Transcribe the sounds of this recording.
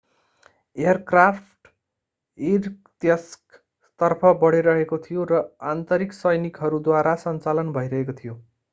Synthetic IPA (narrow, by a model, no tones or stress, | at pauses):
eʌrkrapʰʈ | irt̪jʌsk | t̪ʌrpʰʌbʌɽiɾʌɦekot̪ʰijoɾʌant̪ʌɾiksʌjnikɦʌɾud̪waɾasʌnt͡salʌnbʱʌjɾʌɦekot̪ʰijo